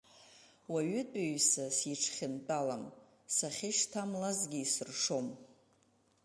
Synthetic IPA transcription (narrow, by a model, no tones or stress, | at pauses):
waɥʏtʼaɥsasiʈ͡ʂʰχʲɪntʼalam | saχʲɪʃtʰamlazɡʲiisɨrʂom